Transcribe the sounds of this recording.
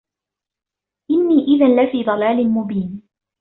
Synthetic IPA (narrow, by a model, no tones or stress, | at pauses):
ʔɪnːiːʔɪðanlafiːd̪ˤɑlaːlɪmʊbiːn